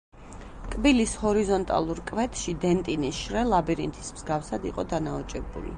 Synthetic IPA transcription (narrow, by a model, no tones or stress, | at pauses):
kʼbilishɔɾizɔnt̪ʼa̰lˠuɾkʼvɛt̪ʰʃid̪ɛnt̪ʼinisʃɾɛlˠabiɾḭnt̪ʰi̥smz̥ɡafsad̪ḭqʼɔd̪anaɔt͡ʃʼɛbṵlḭ